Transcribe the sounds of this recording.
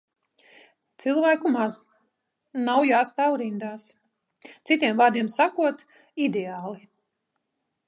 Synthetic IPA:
t̪silˠvaːkumaz | nawjaːst̪aːwɾind̪aːs | t̪sit̪iɛmvaːɾd̪iɛmsakuɔt̪ | id̪eaːlˠi

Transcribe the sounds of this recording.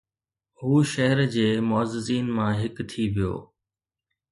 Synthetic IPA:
ɦuːʃɐɦəɾd͡ʑeːmoəzɪziːnmãːɦɪkt̪ʰiʋijo̰ː

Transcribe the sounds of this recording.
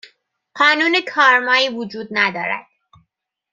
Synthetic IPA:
ɢɒːnuːnekʰɒːɾmɒːiːvod͡ʒuːd̪̚næd̪ɒːɾæ̰d̪̥̚

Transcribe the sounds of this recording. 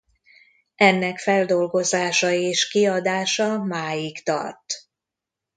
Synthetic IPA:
ɛnːɛkfɛld̪o̞lɡo̞zaːʃɒeːʃkiɒd̪aːʃɒmaːjikt̪ɒ̰rt̪

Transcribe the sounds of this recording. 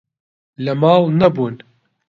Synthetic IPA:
lɐmɑːlnɐbuːn

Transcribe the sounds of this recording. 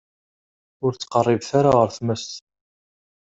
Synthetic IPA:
ʊɾt͡sːqərˤːɪvθaɾaʁəɾθmæst̪

